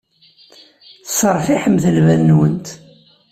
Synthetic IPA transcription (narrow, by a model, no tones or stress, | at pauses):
θsˤəɾˤfiħəmθəlvæðnwənt̪